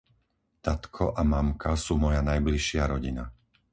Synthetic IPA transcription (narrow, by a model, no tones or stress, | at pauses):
t̪at̪kʰɔʔamamkasuːmɔjanajbliʃɪaɾɔɟina